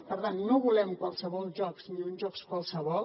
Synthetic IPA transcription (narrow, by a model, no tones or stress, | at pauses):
pəɾt̪anːoβulɛmkwalˠsəβɔlˠʒɔksniunʒɔkskwalˠsəβɔlˠ